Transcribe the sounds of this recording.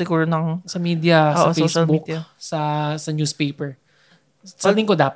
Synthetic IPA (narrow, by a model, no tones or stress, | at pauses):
sɪɡuːɾonɐŋsɐmiːd̪jɐʔosːʔɐofesɐlbʊk̪ɐsɐsɐnjuːspejpɛɹ | sɛld̪ɪŋkod̪aːp